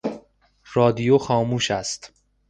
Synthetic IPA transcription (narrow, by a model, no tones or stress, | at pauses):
rɒːd̪ijoxɒːmuːʃæst̪